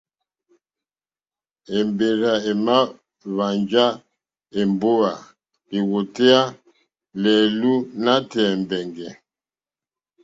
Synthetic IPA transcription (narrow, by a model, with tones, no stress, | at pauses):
e˨mbe˨ɾa˨e˨ma˦ | βa˨nd͡ʒa˦ | e˨mbo˦a˨ | e˨wo˨te˦a˦ | lɛ˨lu˦na˦tɛː˨mbɛ˨ŋɡɛ˨